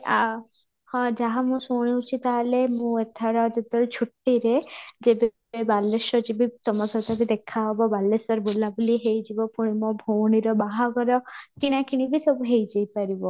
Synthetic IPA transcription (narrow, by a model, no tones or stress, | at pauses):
a | hɔ̃d͡ʒaɦamũsuɽ̃iut͡ʃʰit̪alemũet̪ʰaɽɔd͡ʒet̪ɔlt͡ʃʰuʈːiɾed͡ʒebe | ebalːesɔd͡ʒibit̪ɔmɔsɔt̪akid̪ekʰaɦɔbɔbalːesɔɾbolabuliɦejd͡ʒibɔpuɽ̃imɔbʱowɽ̃iɾɔbaɦaɡɔɾɔkiɽ̃akʰiɽ̃ibisɔbuɦejd͡ʒejpaɾibɔ